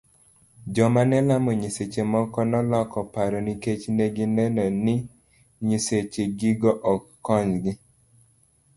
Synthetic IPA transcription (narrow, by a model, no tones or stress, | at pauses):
d͡ʒɔmanɛlamɔɲiset͡ʃemɔkɔnɔlɔkɔpaɾoniket͡ʃneɡɪnɛnɔnɪ | ɲiset͡ʃeɡiɡɔʔɔkːɔɲɡɪ